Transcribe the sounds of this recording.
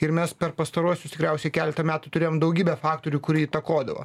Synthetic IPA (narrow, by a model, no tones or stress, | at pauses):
ɪɾmʲɛspʲɛɾpɐst̪ɐɾuɔsʲʊst̪ɪ̥kɾʲæˑʊsʲɛkʲæːlʲɛt̪ɐmʲæːt̪ʊt̪ʊɾʲeːjoːmd̪ɐʊɡʲiːbʲɛfɑːkt̪oːɾʲukʊɾʲiit̪ɐkoːd̪ɐʋo̰